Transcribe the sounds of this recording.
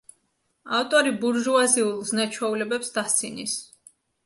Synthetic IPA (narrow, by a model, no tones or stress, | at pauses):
aft̪ʼɔɾibuɾʒuaziulˠznat͡ʃʰwɛulɛbɛpsd̪ast̪sʰinis